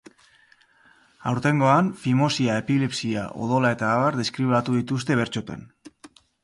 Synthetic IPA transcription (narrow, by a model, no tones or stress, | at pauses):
awɾt̪e̞ŋɡo̞anfimo̞siae̞pilepsia̰ʔo̞̰ð̞o̞lae̞t̪aːβaɾðe̞skɾiβat̪uðit̪us̬t̪e̞β̞e̞ɾt͡ʃo̞t̪e̞̰n